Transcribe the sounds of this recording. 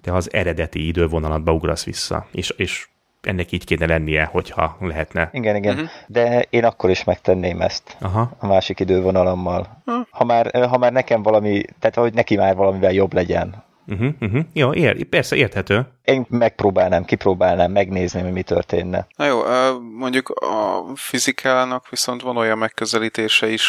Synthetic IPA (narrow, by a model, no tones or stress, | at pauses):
d̪̥ɛɒzɛ̰ɾɛd̪ɛt̪iid̪øːvo̞nɒlɒd̪̚bɒuɡrɒ̰sʋḭsːɒ̰eːʃeːʃ | ʔɛ̰nːɛkiːckeːnɛlɛnːijɛho̞chɒ̰lɛɦɛt̪nɛiɡɛniɡɛnd̪ɛeːnɒkːo̞ɾiʃmɛkt̪ɛnːeːmɛ̰st̪ɒɦɒɒmaːʃikid̪øːvo̞nɒlomːɒlhɒmaːrɦɒmaːrnɛkɛɱvɒlɒmit̪ɛːt̪ɒho̞ɟnɛkimaːrvɒlɒmivɛljo̞blɛɟɛ̰n̩ | ɦ̩ɦ̩joːʔerpɛrsɛʔeːrt̪hɛt̪øː | eːmmɛk̚proːbaːlnaːmkiproːbaːlnaːmːɛɡneːzniɦo̞ɟmit̪ø̰rt̪ḛːnːɛ̰nɔjoːʔømo̞ɲɟukɒ̰fizikʰaːnɒkʋiso̞nt̪ʋɒno̞jɒmːɛkːøzɛliːt̪eːʃɛiʃ